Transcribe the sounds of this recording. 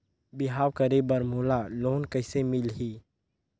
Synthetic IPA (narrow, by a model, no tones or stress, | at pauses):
bɪɦaːwkəɾebəɾmoːlaloːnkəɦɪsemɪlɦiː